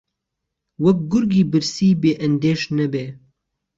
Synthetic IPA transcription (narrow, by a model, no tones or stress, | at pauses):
wɐk̚ɡʊɾɡiːbɨɾsiːbeːʔɛnd̪eːʃnɛbeː